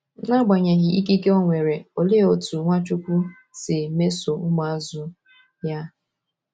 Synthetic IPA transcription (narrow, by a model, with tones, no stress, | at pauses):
na˦ɡ͡ba˨ɲe˨ɣɪ˨i˦ki˦ke˦o˦ŋʷe˨ɾe˨o˨le˦o˨tu˨ŋʷa˦t͡ʃu˦kʷu˦ | sɪ˨me˦so˨˦ma˨a˨zʊ˦ | ja˦